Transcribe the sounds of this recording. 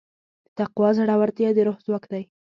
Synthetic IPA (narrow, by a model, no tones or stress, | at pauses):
d̪̥ət̪aqwɑzaɽawaɾt̪jɑd̪əɾohzwakd̪aj